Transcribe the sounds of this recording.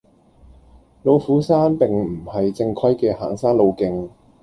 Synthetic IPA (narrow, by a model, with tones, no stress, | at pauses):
lo˨˧wfuː˨˥saː˥npɪ˨˩ŋm̩˨˩hɐ˨jt͡sɪ˧ŋkʰœ˥jkɛː˧ha̰ː˨˩ŋsaː˥ŋlo˨˧wkɪ˨˧ŋ